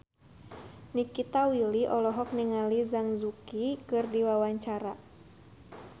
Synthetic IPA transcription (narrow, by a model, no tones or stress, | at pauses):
nikit̪awiliʔɔlɔɦɔk̚niŋalizaŋzukikɨrdiwawaɲt͡ʃaɾa